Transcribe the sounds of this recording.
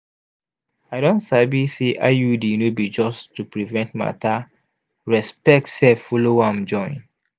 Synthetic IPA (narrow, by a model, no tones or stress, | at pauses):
aɪɾɔ̃ntsabiseʔa̰judinobid͡ʒɔstːupɹivɛ̃nt̚ma̰ta | ɹɛspɛk̚tsɛfɔlowãmd͡ʒɔ̃ɪ̃n